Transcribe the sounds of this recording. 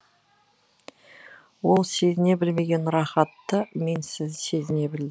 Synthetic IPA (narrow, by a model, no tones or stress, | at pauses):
wo̞lˠse̞zɪne̞bɪlme̞ɡʲe̞nɾɑχɑt̪ːəme̞nsɪzse̞zɪne̞bɪld̪ɪ